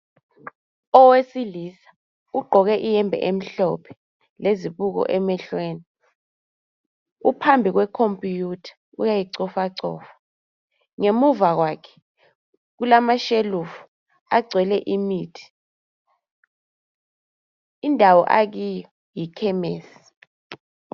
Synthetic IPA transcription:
ɔwesilisḁ | uɡ͡ǃʱɔk̬ɛʔijɛmbʱɛ̰ʔem̩ɬɔ̰pʰɛ̥ | leziɓuk̬ɔ̰ʔɛmɛɬweːni | upʰambʱik̬wɛkʰompʼijutʰḁ | ṵjajiǀɔfaǀɔ̰ːfḁ | ŋemuvak̬waːkʰɛ̥ | k̬ulamaʃelufu̥ | aɡ͡ǀʱwɛlɛʔimitʰi̥ | indʱawɔ̰ʔak̬ijɔ | jikʰɛmeːsii̥

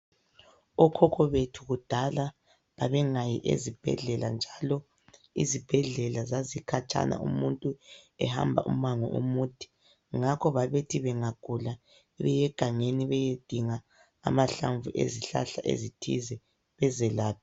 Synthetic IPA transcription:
ɔkʰɔkʰɔβetʰuɣud̥ʱala | βaβɛŋajiʔḛzib̥ʱɛ̰ɮɛland͡ʒʱalɔ | ḭzib̥ʱɛɮɛlazazikʰat͡ʃʼa̰na̰ṵmuntʼuɛ̰ha̰mbʱa̰ʔṵmaŋɔ̰ʔṵmuːtʰi̥ | ŋakʰɔβaβetʰiβɛŋaɡ̥ʱula | iβɛjɛɡ̥ʱaŋeniβɛjed̥ʱiŋa̰ː | maɬaɱvuʔḛziɬa̰ɬa̰ʔḛzitʰḭzɛ | βɛzɛlaːpʰi

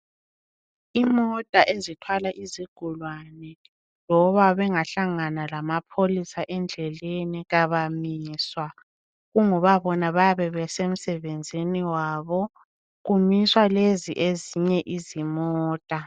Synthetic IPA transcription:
imɔtʼaʔezitʰwalaʔiziɡ̥ʱulwanɛ | lɔβaβɛŋaɬaŋanalamapʰolisaʔɛnd͡ɮʱɛleniɣaβamiːswa | ɣuŋɔβaβɔnaβajaβɛβɛsem̩sɛβend͡zʱiniwaːβɔ | ɣumiswaleziʔeziɲɛʔizimɔːtʼa

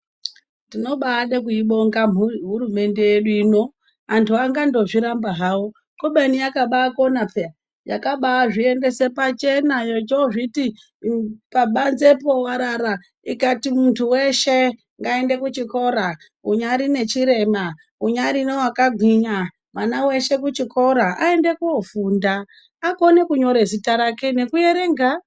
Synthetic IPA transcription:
dino̞ɓaːɗekuiɓoŋɡamuɦuɾume̞ndejeɗuino̞ | antʰuaŋɡando̞ʐiɾambaɦawo | koɓenijakaɓaakonapea | jakaɓaaʐiende̞se̞pat͡ʃe̞najot͡ʃoʐiti | paɓanze̞po̞waɾaɾa | ikatimuntʰuweʃe̞ | ŋɡaende̞kut͡ʃiko̞ɾa | uɲaɾine̞t͡ʃiɾe̞ma | uɲaɾinowakaɡʱwiɲa | mwanawe̞ʃe̞kut͡ʃikʰo̞ɾaa̰e̞nde̞kuofuːnda | ako̞nekuɲo̞ɾezitaɾake̞ne̞kujeɾeŋɡa

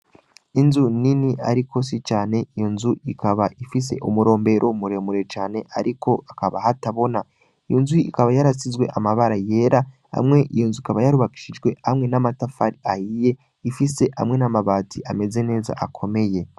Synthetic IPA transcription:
inzuniniʔa̰ɾiko̞s̬it͡ʃaːne̞ijonzuikaβaʔifis̬e̞̰ʔumuɾo̞ːmbe̞ɾʔoumuɾe̞muɾe̞t͡ʃaːne̞ʔa̰ɾiko̞akaβahataβo̞na | ijonzuḭkaβajaɾasizɡwe̞̰ʔamaβaɾaje̞ɾʔa | ha̰mŋe̞ʔḭjonzuikaβajaɾuβaki̥ʃiʒɡwe̞hamŋe̞namatafaɾiahije̞ | ifise̞ʔa̰mŋe̞namaβaːtʰiʔame̞ze̞ne̞ːza̰ʔakʰo̞me̞je̞

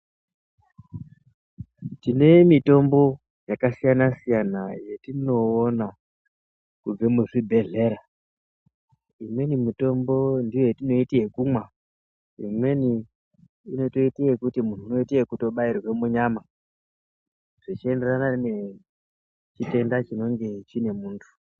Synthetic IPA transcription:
tine̞mito̞mbo̞ | jakasijanasijanaje̞tino̞ːna | kub͡vemuʐibʱe̞ɮe̞ɾa | imwe̞nimito̞mbo̞ndije̞tino̞itie̞kumwa | ḭmwe̞ni | ino̞to̞itiekutimuntʰuuno̞itiekuto̞ɓairwe̞muɲama | ʐ̥it͡ʃie̞nde̞ranarne | t͡ʃite̞ndat͡ʃino̞ŋɡe̞t͡ʃine̞muːntʰu̥

